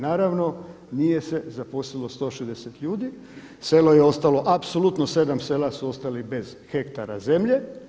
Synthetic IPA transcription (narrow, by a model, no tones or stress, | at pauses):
naːɾaʋno̞ | nije̞se̞zaposlilˠost̪o̞ːʃezd̪eset̪ʎuːd̪i | selo̞je̞o̞st̪alo̞ʔapsolut̪nose̞d̪amse̞ːlasuo̞st̪alibe̞z̥xe̞kt̪aɾaze̞mʎe